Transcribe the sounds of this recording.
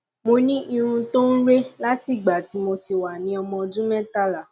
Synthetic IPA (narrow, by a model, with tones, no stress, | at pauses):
mo˧nĩ˦ʔi˧ɾ̃ũ˧to˦n̩˦ɾe˦la˦ti˦˨ɡ͡ba˨ti˨˦mo˧ti˧wa˨nĩ˨˦ɔ˧mɔ̃˧d͡ʒũ˦mɛ̃˦ta˦˨la˨